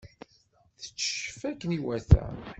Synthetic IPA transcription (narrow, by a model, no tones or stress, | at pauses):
θə̥t͡sːə̥ʃəfækːəniwæθæ̰n